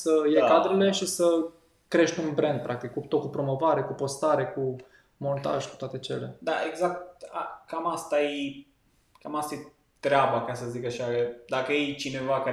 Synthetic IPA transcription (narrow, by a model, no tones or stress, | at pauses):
səjekad̪ɾele̞ʃisə | kɾe̞ʃt̪ʲunbɾe̞nd̪̚pɾʔak̚t̪ikːut̪okupɾo̞mo̞vaɾe̞kupo̞st̪aɾe̞ku | mo̞nt̪a̰ʒku̥t̪oat̪e̞t͡ʃe̞̰le̞̰d̪aʔeɡzak̚t̪̚a̰kamast̪aje | kamast̪aje | t̪ɾeabakasəzikaʃad̪akəjejt͡ʃine̞vaka